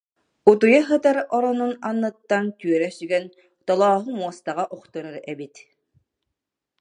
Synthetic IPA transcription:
ut̪ujaɦɯt̪aɾɔɾɔnunanːɯt̪ːant̪yœɾɛsyɡɛn | t̪ɔlˠɔːɦɯmuɔst̪aʁaʔɔχt̪ɔɾɯɾɛbit̪

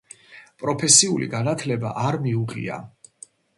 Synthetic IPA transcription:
pʼɾɔpʰɛsiulḭɡanat̪ʰlɛba̰ʔaɾmiuʁḭa̰

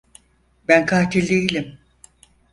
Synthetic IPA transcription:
bænkʰaːt̪ʰilʲd̪ejilʲim

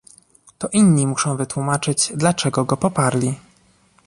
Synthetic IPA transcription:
t̪ɔʔinːimuʂɔ̃w̃vɘt̪wumat͡ʂɘd͡ʑd̪lat͡ʂɛɡɔɡɔpɔpaɾlʲi

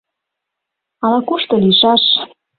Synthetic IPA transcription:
ɑlɑkuʃt̪ɤ̆liʃɑʃ

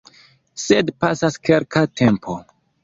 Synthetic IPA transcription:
sedpasaskelkatʰe̞mpʰo

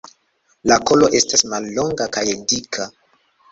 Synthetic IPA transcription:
lako̞lo̞ʔe̞stasmalːo̞ŋɡakajedikʰa

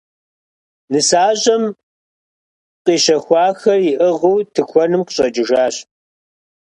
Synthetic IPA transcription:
nɨsaːɕʼɐm | qiːɕɐxʷɑːxɐrjɪʔɨʁuːtʰɨkʷʰɔnɨmqɕʼɐt͡ʃʼɪʒaːɕ

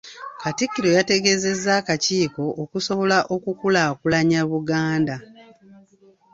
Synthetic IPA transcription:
katikːiɾo̞jate̞ɡe̞ze̞zːaːkaciːko̞ʔːkuso̞βo̞laʔo̞kukulakulaɲaβuɡaːnda

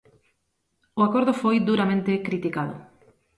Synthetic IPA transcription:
ʊakoɾðʊfojd̪uɾamẽnt̪ɪkɾit̪ikaðʊ̰

